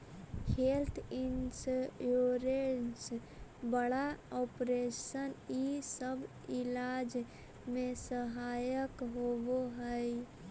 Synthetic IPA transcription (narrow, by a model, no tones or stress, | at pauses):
helt̪ʰinsjoɾensbəɽaɔpɾesənisəbʱ | ilad͡ʒ | mesəɦajəkɦoboɦəj